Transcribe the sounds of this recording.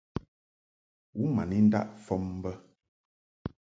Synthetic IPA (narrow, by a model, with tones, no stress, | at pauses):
wu˦ma˨ni˦n̩˦da̰˦ʔfɔ˦m˦bə˦